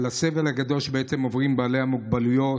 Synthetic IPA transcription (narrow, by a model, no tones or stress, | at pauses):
lase̞velhaɡad̪o̞lʃbeʔese̞mo̞vʁimbaːle̞amuɡ̚balujo̞